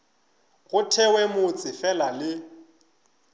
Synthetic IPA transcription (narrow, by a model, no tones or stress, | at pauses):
ɣʊtʰɛwɛmʊt͡sʼɪfɛlalɪ